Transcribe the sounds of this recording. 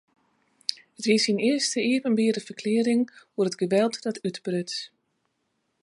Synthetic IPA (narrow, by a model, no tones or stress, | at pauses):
ətʋɪsinɪəstəeəvənbɪədəfərkʰlɪəɾɪŋuərədɡəʋɛlˠtdɔtʰytbrøt